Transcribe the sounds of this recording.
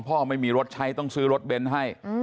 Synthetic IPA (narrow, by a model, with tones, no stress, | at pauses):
ŋpʰɔː˥˩ma˥˩jmiː˧ɾo˧˦˥t̪̚t͡ɕʰa˦˥jt̪ɔ˥˩ŋsɯː˦˥ɾo˦˥t̪̚be˧nɦa˥˩j